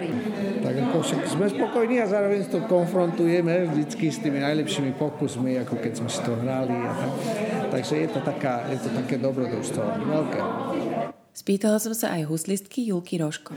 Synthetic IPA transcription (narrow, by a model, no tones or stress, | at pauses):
it̪aɡakɔfʃakzmɛspɔkɔjniːazaːɾɔʋɛɲst̪ɔkɔnfɾɔnt̪ujɛmɛʒd̪it͡skist̪iːminajlɛpʃiːmipɔkusmiakɔkɛzmɛsi̥t̪ɔɦɾalia̰t̪akt̪aɡʒɛjɛt̪ɔt̪akaːjɛt̪ɔt̪akɛːd̪ɔbɾɔd̪uʃst̪ʋɔʋɛlkɛ̰ː | spiːt̪alasɔmsa̰ʔajɦuslist̪kijulkiɾɔʃkɔ